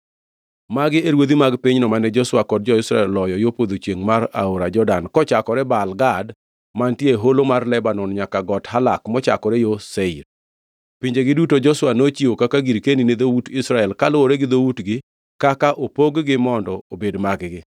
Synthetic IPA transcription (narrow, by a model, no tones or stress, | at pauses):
maɡɪeɾwod̪imaɡpiɲnɔmanɛd͡ʒɔswakɔd̚d͡ʒɔɪsɾaɛlːɔjɔjopod̪ot͡ʃjeŋmaɾa̰oɾad͡ʒɔdankɔt͡ʃakɔɾɛbalɡad | mantjeɦolomarlɛbanɔnɲakaɡɔthalakmɔt͡ʃa̰kɔɾɛjoseiɾ | piɲd͡ʒeɡɪdutod͡ʒɔswanot͡ʃiokakaɡiɾkenined̪outɪsɾaɛlkalooɾɛɡɪd̪owutɡɪ | kakaʔopoɡɡɪmɔndɔobedmaɡɡɪ